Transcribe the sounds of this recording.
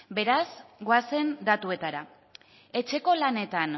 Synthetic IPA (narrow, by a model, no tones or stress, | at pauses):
be̞ɾazɡoase̞nd̪at̪ue̞t̪aɾa | e̞t͡ʃe̞ko̞lane̞t̪an